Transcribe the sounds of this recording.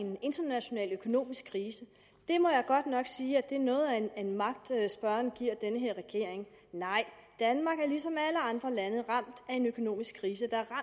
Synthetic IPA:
ene̝nd̥ɐnæɕo̝nɛ̰ːløkʰo̝no̝̰ːmisɡ̥̚ʰʁiːsə | d̥e̝mɒ̽jɑ̈ɪɡ̥ɒ̽d̥nɒ̽ɡ̥siːæd̥e̝ɐnɔ̽ːð̞̩ˠænmɑ̈ɡ̥̚d̥sb̥ɶɐnɡ̥iɐ̰d̥enəɦeɐ̰ʁɛɡ̥e̝ɐ̰e̝ŋ | nɑ̈ɪ̰d̥ænmɑ̈ɡ̥æɐlisɒ̽mæləɑ̈nd̥ʁɐlænəð̩ˠʁɑ̈m̰d̥æe̝nøkʰo̝no̝̰ːmisɡ̥kʰːʁiːsəd̥ɑ̈æɐʁɑ

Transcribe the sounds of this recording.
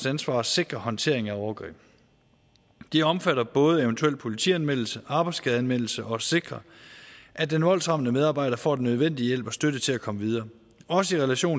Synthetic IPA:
sænsʋɑ̰̈ːse̝ɡ̥ʁɐɦɒ̽nt͡sʰe̝̰ɐ̰eŋæɒʊɐɡ̥ʁḭːb̥ | d̥eɒ̽mfæɾɐb̥ɔ̽ːð̞ˠəeʊnt͡sʰuel̰̥̚pʰo̝lit͡sʰḭænmen̰l̩səʔɑ̈ːb̥ɑ̈ɪdsɡ̥ɛð̩ˠænmen̰l̩səʔɒ̽se̝ɡ̥ʁɐ | ʔæd̥enʋɒ̽l̰sʁɑ̈mənəmeð̞ˠɑ̈ːbɑ̈ɪ̰ɾ̥ɐfɒ̰ːdenøð̞ˠʋen̰d̥ijel̰b̥ɒ̽sd̥øɾət͡sʰe̝lækʰɒ̽məʋið̞ˠɐː | ɒ̽səiʁɛlæɕo̝̰ː

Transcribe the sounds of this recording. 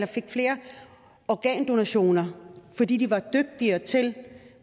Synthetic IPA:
lɐfe̝ɡ̥fle̝ːɐ | ɒɡ̥ɛ̰ːnd̥o̝næɕo̝̰ːnɐfɒ̽d̥ḭːd̥iʋɑ̈d̥øɡ̥̚d̥iɐt͡sʰe̝l

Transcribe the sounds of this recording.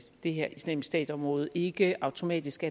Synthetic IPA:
d̥e̝ɦeɐ̰isnɛmsd̥ɛ̰ːd̥sɒ̽mʁɔ̽ːð̩ˠe̝ɡ̥əɑ̈ʊt͡sʰo̝mɛ̰ːd̥isɡ̥æ

